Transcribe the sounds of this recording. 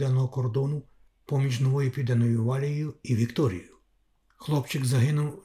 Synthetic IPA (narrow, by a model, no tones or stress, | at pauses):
d̪ɛnɔɦɔkɔrd̪ɔnʊ | pɔmʲiʒnɔʋɔjʊpʲid̪ɛnɔjʊʋɑlʲijʊiʋʲikt̪ɔɾʲḭjjʊ | xlˠɔpt͡ʃɪɡzɐɦɪnʊw